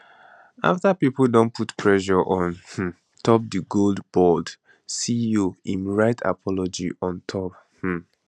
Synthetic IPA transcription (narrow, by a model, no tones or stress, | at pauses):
a̰ftapipl̩ˠdõnpʰutpʰɹɛʃɔʔɔ̃nh̩ | tʰɔp̚dəɡoldbɔd | sioĩnɹaɪtʰa̰pʰɔlɔd͡ʒḭʔɔ̃ntʰɔp | h̩